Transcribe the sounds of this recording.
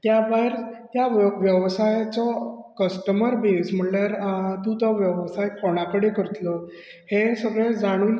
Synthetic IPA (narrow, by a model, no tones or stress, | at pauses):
t̪jabaiɾt̪jaʋjəʋsajt͡sɔkəsʈəməɾbed͡zm̤əɳljaɾt̪ũt̪ɔʋjəʋsajkoɽ̃akəɽekəɾt̪lɔ | hesəɡɾed͡zaɽ̃uːn